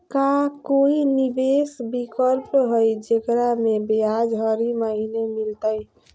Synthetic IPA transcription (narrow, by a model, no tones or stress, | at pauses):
kakoinibesbikəlpɦojd͡ʒekɾamebead͡ʒɦəɾiməɦinemilt̪əj